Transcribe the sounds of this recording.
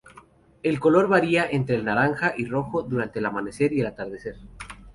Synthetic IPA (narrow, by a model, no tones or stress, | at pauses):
e̞lko̞lo̞ɾβaɾiaʔe̞nt̪ɾe̞ːlnaɾaŋxaʔiro̞xo̞ðuɾant̪eːlamane̞se̞ɾielat̪aɾð̞e̞se̞ɾ